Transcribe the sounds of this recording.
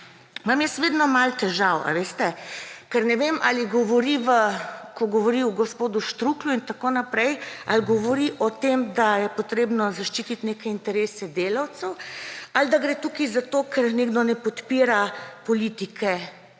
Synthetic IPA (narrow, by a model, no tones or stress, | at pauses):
mamjɛst̪ʋeːd̪nɔmalt̪ɛʒawa̰ʋest̪ɛkɛɾnɛʋema̰liɡɔʋɔɾiʋəkɔɡɔʋɔɾiwɡɔspoːd̪uʃt̪ɾukluint̪akoːnapɾɛjalɡɔʋɔɾiʔɔt̪emd̪ajɛpɔt̪ɾeːbnɔzaʃt͡ʃit̪it̪neːkɛint̪ɛɾeːsɛd̪eːlawt̪sɛwald̪aɡɾeːt̪ukizat̪okʰɛɾneːɡd̪ɔnɛpɔt̪piːɾapɔliːt̪ikʰɛ